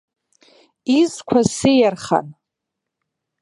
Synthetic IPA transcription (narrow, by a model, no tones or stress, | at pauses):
izkʷʰasejarχa̰n